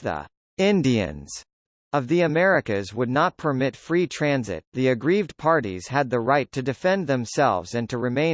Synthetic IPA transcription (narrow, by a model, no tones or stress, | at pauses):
ə̰ | ɪ̃ndiɨ̰̃nz̥ | ʌvðiɨmɛɹɨkɨzwədⁿnət̚pʰə˞mɪtfɹitʰɹ̥æ̃nzɪ̰t̪̚ðiɨɡɹivdpʰɑɹɾḭz̥ɨd̪̚ðɨɹaɪtʰɨdɨfɛ̃nðɨ̃msɛ̰lˠvzɨ̃ntʰɨɹɨmẽɪ̃